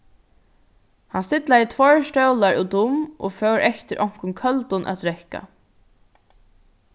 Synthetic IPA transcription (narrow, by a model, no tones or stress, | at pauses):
hansɪt̪lajət̪ʰvɔːɹstœwlaɹuwd̪ʊmʔɔfœwɾɛht̪ɪɾʔɔŋ̥kʊnkʰœlt̪ʊnʔa̰t̪ɾɛhka̰